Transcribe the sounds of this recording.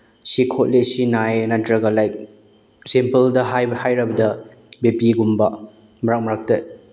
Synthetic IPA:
sikʰot̚lesinajenantɾɐɡɐlajk̚ | sempɐldɐɦajhajɾɐbɐdɐ | bepiɡumbɐ | mɐɾak̚mɐɾak̚te

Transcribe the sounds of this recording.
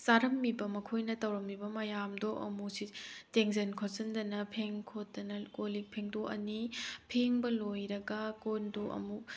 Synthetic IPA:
saɾɐmːibɐmɐkʰojnɐtɐwɾɐmːibɐmɐjamdoʔɐ̰musiteŋzɐnkʰosɐndɐnɐpʰeŋkʰotːɐnɐkolik̚pʰeŋdoʔɐ̰nipʰeŋbɐlojɾɐɡɐkondoʔɐ̰mu

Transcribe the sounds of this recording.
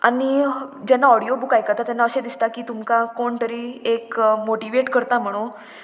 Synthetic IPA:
a̰nid͡ʑɛnːaɔɽiobukajkat̪at̪ɛnːaəɕed̪ist̪akiːt̪umkakoɳt̪əɾiekmoʈiʋeʈkəɾt̪am̤əɽ̃õ

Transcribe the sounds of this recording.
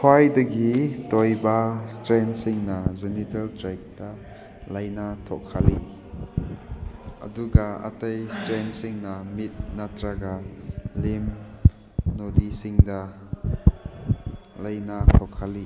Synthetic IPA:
pʰwajdɐɡitɔjbastɾɛnsiŋnazɛnitɐltɾajk̚d̥ɐ | lɐjnatʰɔ̰kʰːali | ʔɐ̰duɡaɐ̰tɐjstɾensiŋnamit̚natɾaɡalim | nɔdisiŋdɐ | lɐjnat̪ʰɔkʰːali

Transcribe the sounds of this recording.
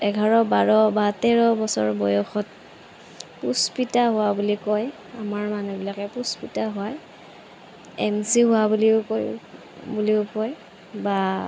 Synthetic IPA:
ɛɡʱaɹɔbaɹɔbatɛɹɔbɔsɔ̰ɹbɔjɔxɔt̚ | puspitaɦʊwabulikɔj | amaɹmanubilakɛpuspitaɦʊaj | ɛ̰msiɦʊwabuliʊkɔ | buliʊkɔj | ba

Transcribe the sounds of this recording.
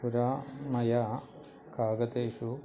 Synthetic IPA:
uɾaːmɐja | kaːɡɐt̪eːʂu

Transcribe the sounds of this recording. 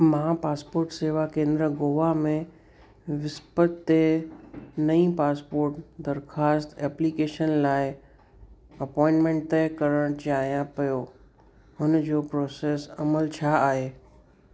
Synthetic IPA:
mãːpaːspoːɾʈseːʋakẽːnd̪ɾəɡoːʋamẽ | ʋɪspət̪ːe | nɐĩpaːspoːɾʈd̪ɐɾxaːst̪ɛːpliːkeːʃənlaːɪ | ɐpɔːɪ̃nʈmẽːɳʈt̪ekɐɾəɽ̃t͡ɕaːɦijãpɐjo | ɦʊnd͡ʑoːpɾoːseːsɐməlt͡ɕʰaːɦeː

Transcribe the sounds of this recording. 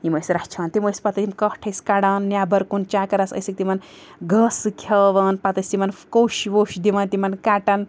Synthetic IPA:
jimosɾɐht͡ʃʰɐːnt̪imojspɐt̪ɐt̪imkɐhʈʰɐjskaɽaːnːjaːbɐɾkunt͡ʃaːkɐɾɐsɐ̰sik̚t̪imɐnɡɐsɨkʲʰɐʋɐːnpɐt̪ɐsʲt̪imɐnkowʃiʋoːʃd̪iʋɐnt̪imɐnkaːʈɐn

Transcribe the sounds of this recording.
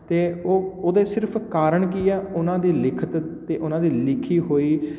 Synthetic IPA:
t̪eːoːoːd̪eːsɪɾpʰkaːɾəɳk̬iːɛːʊnãːd̪iːlɪkʰət̪t̪eːʔʊnãːd̪iːlɪkʰiːɦoːiː

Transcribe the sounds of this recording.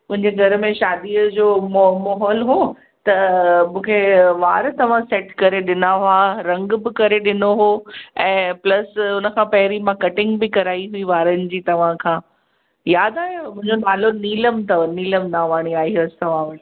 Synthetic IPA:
mʊ̃ɦɪ̃ɲd͡ʑeɡʱɐɾə̆mẽʃaːd̪iəd͡ʑoːmɐɦɔːlɦo | t̪ɐmũːkʰeʋaːɾt̪ɐʋ̤ãsɛːʈkɐɾeɗɪnaɦʊaɾɐ̃ŋɡbɪkɐɾeɗɪnoɦoɛ̃ːplɐsʊnə̆kʰãːpɐɦɪɾimãkɐʈɪ̃ŋɡbɪkɐɾaːiɦuiʋaːɾənɪ̆d͡ʑiːt̪ɐʋ̤ãkʰãː | jaːd̪aːɦemʊ̃ɦɪ̃ɲd͡ʑonaːloniːləmt̪ɐniːləmnaːʋaːɽ̃iaːiɦɐst̪ɐʋ̤ã

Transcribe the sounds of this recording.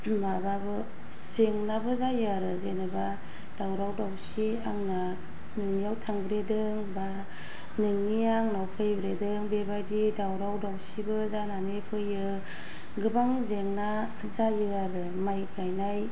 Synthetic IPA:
mababɯ | seŋnabɯzajɯaɾɯzenɯba | d̥awɾawdawsi | aŋna | nɯŋnijawtʰaŋbɾedɯŋba | nɯŋniaŋnawpʰɯjbɾedɯŋbebajdidawɾawdawsibɯzananepʰɯjɯ | ɡɯbaŋzeŋna | zajɯaɾɯ | majkajnaj

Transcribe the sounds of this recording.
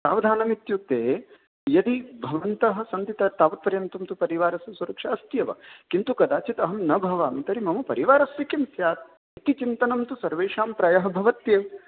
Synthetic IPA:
sa̰ːʋɐd̪ʱaːnɐmit̪juk̚t̪eː | jɐd̪ibʱɐʋɐnt̪ɐɦɐ̆sɐnt̪it̪ɐt̪aːʋɐt̪̚pɐɾjɐnt̪ɐmt̪upɐɾiʋaːɾɐsʋɐsuɾɐkʂɐɐst̪jɐʋɐ̰kint̪ukɐd̪aːt͡ʃit̪ɐɦɐmnɐbʱɐʋaːmt̪ɐɾimɐmɐpɐɾiʋaːɾɐsʋikimsjaːt̪̚ | it̪it͡ʃint̪ɐnɐmt̪usɐɾʋeːʂaːmpɾɐjɐɦɐ̆bʱɐʋɐt̪jeːʋ

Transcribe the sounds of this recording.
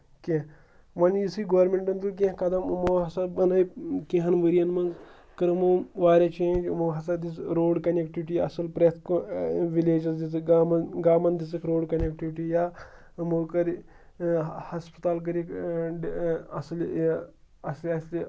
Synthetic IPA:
kẽ | mɐnjisɨɡɐʋɐɾmeɳʈɐnd̪uk̬ʲẽkɐd̪ɐmmoɦɐsabɐnɐjkẽɦɐnʋəɾijɐnmɐŋɡ | kɐɾmoʋaːɾʲɐt͡ʃẽːd͡ʒmoɦɐsad̪isɾoːɖkɐnekʈiʋiʈiɐ̰sɐlpɾet̪ʰkʋileːd͡ʒɐsd̪it͡sɨɡmnɡaːmɐnd̪is̬ɨkʰɾoːɽkɐnʲekʈiʋiʈijaː | mokɐɾ | hɐspɐt̪aːlk̬ɐɾik | ɐsɐl | ɐslɐsl

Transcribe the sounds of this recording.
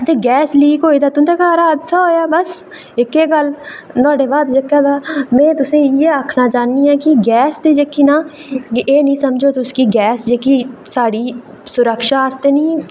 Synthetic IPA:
t̪eːɡɛːsliːkɦoːiːd̪aːt̪ʊt̪eːkaːɾaːəd̪saːɦoːjaːbəs | ɪkːeːɡəlnɔːɖeːbaːd̪d͡ʒəkːaːd̪aːmɛ̃ːt̪ʊsĩːjeːaːkʰnaːt͡ʃaːniːãːkɪɡɛːsd̪eːd͡ʒekːiːnãːʔeːnĩːsəmd͡ʒoːt̪ʊskiːɡɛːsd͡ʒekiːsaːɽiː | sʊɾəkʃaːst̪eːnĩː

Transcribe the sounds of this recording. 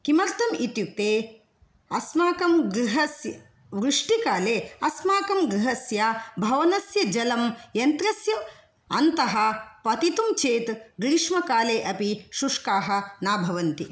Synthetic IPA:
kimɐɾt̪ɐmit̪jut̪eː | ɐsmaːkɐmɡɾiɦɐsjɐ | ʋɾuʂʈikaːleːɐsmaːkɐmɡɾiɦɐsjaːbʱɐʋɐnɐsjɐd͡ʒɐlɐmjɐnt̪ɾɐsjɐ | ɐnt̪ɐɦɐ̆pɐt̪it̪umt͡ʃeːt̪ɡɾiʂmɐkaːleːʔɐpiʃuʂkaːɦɐ̆naːbʱɐʋɐnt̪i

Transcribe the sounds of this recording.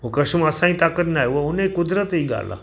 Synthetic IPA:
ʋokəɕuməsãĩt̪akət̪najʋəunəjkud̪ɾət̪əiɡʱa̰la̰

